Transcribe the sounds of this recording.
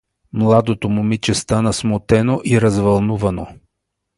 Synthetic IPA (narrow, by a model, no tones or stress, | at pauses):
mlˠad̪ot̪omʊmit͡ʃɛst̪anəsmot̪ɛnoʔiɾɐzvɐlˠnuvɐno